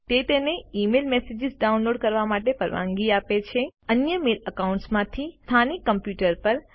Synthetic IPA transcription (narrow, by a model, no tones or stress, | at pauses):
t̪et̪eneimelmesed͡ʒɪzɖaunloɖkəɾʋamaʈepəɾʋã̰ŋɡiapet͡ʃʰeənjəmeləkauɳʈsmãt̪ʰist̪ʰanikːəmpjuʈəɾpəɾ